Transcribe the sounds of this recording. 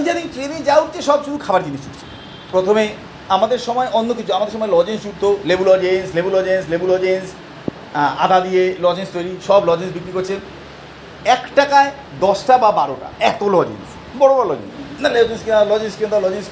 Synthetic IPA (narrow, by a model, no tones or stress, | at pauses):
id͡ʑad̪int̪ɾenid͡ʑauɾt͡ɕeʃɔbʃunukʰabaɾd͡ʑiniʃt͡ɕult͡ɕʰi̥ | pɾot̪ʰome | amad̪eɾʃɔmɔeʔonːok̬it͡ɕʰuamad̪eɾʃɔmɔelɔd͡ʑensd͡ʑuɾt̪ʰːolebulɔd͡ʑenslebulɔd͡ʑenslebulɔd͡ʑens | a̰d̪ʱad̪ijelɔd͡ʑenst̪ojɾiʃɔblɔd͡ʑensbikɾikoɾt͡ɕʰe | ɛkʈakae | d̪ɔsʈababaɾoʈa̰ɛt̪olɔd͡ʑḛns | bɔɽobɔɾolɔd͡ʑḛnsnaled͡ʑenskinalɔd͡ʑenskiond̪alɔd͡ʑens